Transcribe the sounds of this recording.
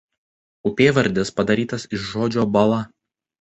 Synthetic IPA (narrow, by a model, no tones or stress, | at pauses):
ʊpʲeːʋɐɾʲd̪ʲɪspɐd̪ɐɾʲiːt̪ɐsɪʃʒoːd͡ʒʲoːbɐlˠɐ